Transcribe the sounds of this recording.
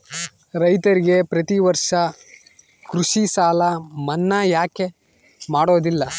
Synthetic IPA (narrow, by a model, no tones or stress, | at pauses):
ɾɐjt̪ɐɾiɡe̞pɾɐt̪iʋɐɾʂɐ | kɾuʂisaːlɐmɐnːajaːke̞ | maːɽo̞ːd̪ilːɐ